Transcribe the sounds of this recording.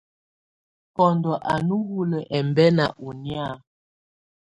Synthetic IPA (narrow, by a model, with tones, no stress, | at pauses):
kɔ˨ndɔ˨ʔa˨nu˦wu˦lə˨ʔɛ˨mbɛ˦na̰˨ʔu˨nja˦˨